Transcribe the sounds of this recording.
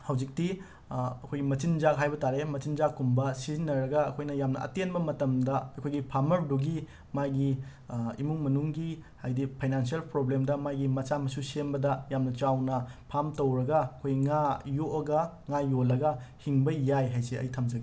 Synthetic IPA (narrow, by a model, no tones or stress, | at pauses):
hɐwd͡ʒik̚ti | ɐkʰojɡimɐt͡ʃind͡ʒak̚ɦajbɐtaɾemɐt͡ʃind͡ʒakːumbɐsizinːɐɾɐɡɐːkʰojnɐjamnɐʔɐ̰tenbɐmɐtɐmdɐɐkʰojɡipʰamɐɾduɡi | majɡi | imuŋmɐnuŋɡihajdipʰajnansielpɾoblemdɐmajɡimɐt͡ʃamɐsusembɐdɐjamnɐt͡ʃawnɐpʰamtɐwɾɐɡɐɐkʰojɡiŋajoʔɐɡɐŋajolɐɡɐhiŋbɐjajɦajseɐ̰jtʰɐmd͡ʒɐɡi